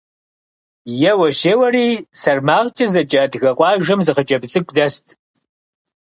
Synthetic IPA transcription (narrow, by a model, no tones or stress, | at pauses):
jɛwɐʃeːwɐriːsɐrmaːʁt͡ʃʼɐzɐt͡ʃʼɐdɣɐqʷʼɑːʒɐmzɨχət͡ʃʼɐbsʼɨkʷʼdɐstʰ